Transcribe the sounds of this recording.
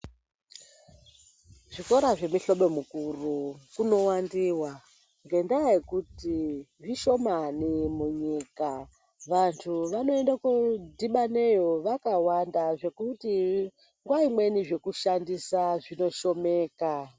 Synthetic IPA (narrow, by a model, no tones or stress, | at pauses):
ʐiko̞ɾaʐe̞miɬo̞ɓo̞mukurukuno̞wandiwa | ŋɡe̞ndajekutiʐiʃo̞manimuɲika | ʋantʰuʋano̞endakodiɓane̞jo̞ʋakawandaʐe̞kuti | ŋɡwaimwe̞niʐe̞kuʃandisaʐino̞ʃo̞me̞ːka